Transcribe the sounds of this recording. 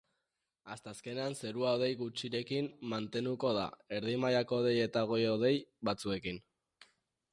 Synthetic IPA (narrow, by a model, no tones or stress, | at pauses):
ast̪aːske̞ne̞anse̞ɾuaoð̞e̞jɣut͡ʃiɾe̞kimːant̪e̞nd̪uko̞ð̞a̰e̞ɾðimajako̞ðe̞je̞t̪aɣ̞o̞jo̞ðe̞jbat͡sue̞kin